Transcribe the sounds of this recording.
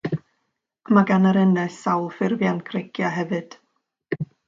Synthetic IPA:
maɡanaɾɛnɛsawlˠfɪrvjankʰrɪkʰjaɦɛvɨd̥

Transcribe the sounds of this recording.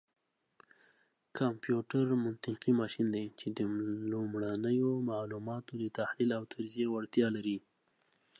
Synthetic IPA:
kʰɑmpjuʈaɾmʊnt̪ɪqimɑʃind̪ejt͡ʃed̪əlumɽanəjomaʕlumɑt̪od̪ət̪ahlilawt̪ʰaɾzijewaɽt̪jɑlaɾi

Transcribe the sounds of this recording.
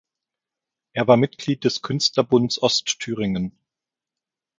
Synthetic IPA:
ʔeːɐvaːɐmɪtɡ̥liːt̚d̥ɛskʰʏnstlɐbʊndsʔɔstʰːyːʁ̞ɪŋən

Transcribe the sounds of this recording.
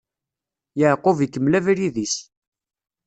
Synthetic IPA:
jəʕqovjəkːəmlævɾiðis

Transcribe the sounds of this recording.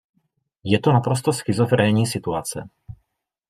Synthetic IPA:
jɛt̪onapɾost̪osxɪzofɾɛɲiːsɪt̪uat͡sɛ̰

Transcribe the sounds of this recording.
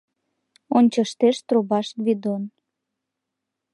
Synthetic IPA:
onʲt͡ɕəʃt̪eʃt̪robɑʃβid̪on

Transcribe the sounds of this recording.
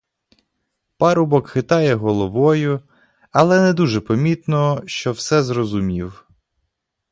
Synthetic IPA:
pɑɾʊbɔkxɪt̪ɑjɛɦɔlˠɔʋɔjʊ | ɐlˠɛnɛd̪uʒɛpɔmʲit̪nɔʃt͡ʃɔwsɛzrɔzʊmʲiw

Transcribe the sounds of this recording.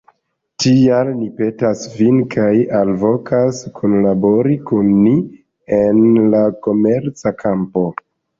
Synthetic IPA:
tialnipe̞tasvinkʰajalvo̞kʰaskʰonlabo̞ɾikunːi | enlako̞me̞ɾt͡sakʰampo̞

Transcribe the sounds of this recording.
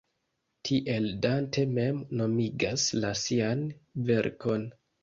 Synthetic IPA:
tʰiʔe̞ldantʰe̞me̞mno̞miɡaslasianve̞ɾkʰo̞n

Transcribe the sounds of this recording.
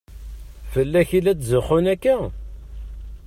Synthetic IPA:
fəlːæçilæt͡szəχʊnækːæ

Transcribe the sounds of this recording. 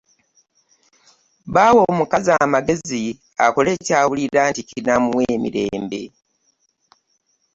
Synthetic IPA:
βaːwo̞ːmukazamaɡe̞zi | a̰ko̞le̞ːcaːwuliɾaːnticinamuweːmḭɾe̞ːmbe̞̰

